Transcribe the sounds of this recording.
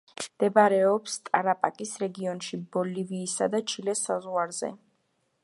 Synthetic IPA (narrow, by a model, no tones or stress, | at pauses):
md̪̥ɛbaɾɛɔpst̪ʼaɾapʼakʼisɾɛɡiɔnʃibɔliviːsa̰d̪at͡ʃʰilɛsazʁwaɾzɛ̰